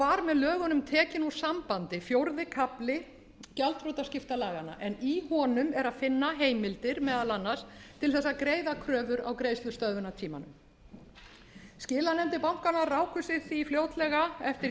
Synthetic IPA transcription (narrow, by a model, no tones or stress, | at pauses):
vaɾmɛðlœːɣʏnʏmt̪ʰɛːcɪnu̥sampant̪ɪfjowɾðɪkʰaplɪ | calt̪fɾowt̪ascɪft̪alaːɣana̰ʔɛnihɔnʏmɛɾaðfɪnːaɦeːjmɪlt̪ɪɾmɛːðaðlanːast̪ʰɪlθɛsːaðkɾeːjðakʰɾœːvʏɾa̰wkɾejslʏst̪œðvʏnat̪ʰiːma̰nʏ̰m | scɪːlanɛmt̪ɪpawŋ̥kanaraːwkʏsɪθifljoːwt̪lɛɣaɛft̪ɪɾ